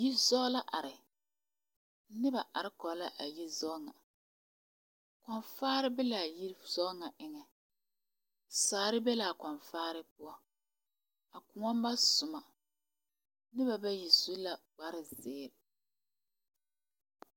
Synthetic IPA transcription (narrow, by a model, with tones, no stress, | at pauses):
ji˦zɔ˦la˦ʔa˨ɾɪ˨˦ | nɪ˦ba˨ʔa˨ɾɪ˦kɔ˨˦la˦ʔa˨ji˦zɔ˦ŋa˨ | kɔ˨nfaː˦ɾɪ˦bɪ˦la˨ji˦z̥ɔ˦ŋa˨ʔɪ˨ŋɛ˨ | saː˨˦ɾɪ˦bɛ˦la˨kɔ˨nfaː˦ɾɪ˦pʊ˦ɔ˦ | a˨kʊ˨ŋɔ˦m˦ba˦sʊ˨ma˨ | nɪ˦ba˨ba˦ji˨zu˦la˨ɡ͡ba˦ɾɪ˨zɪː˦˨ɾɪ˨